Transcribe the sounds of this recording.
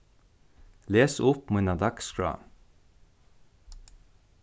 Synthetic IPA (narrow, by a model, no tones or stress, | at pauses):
leːsʊpmunɑd̪ɑkskɹɑ̰ː